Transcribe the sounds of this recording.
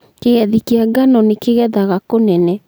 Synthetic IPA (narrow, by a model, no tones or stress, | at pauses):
keɣɛðikeaɡanɔnekeɣɛðaɣakonɛnɛ